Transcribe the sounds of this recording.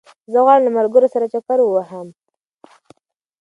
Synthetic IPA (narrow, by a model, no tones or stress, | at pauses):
zəɣɑɽlamalɡəɾosaɾat͡ʃakaɾwəwaɦəm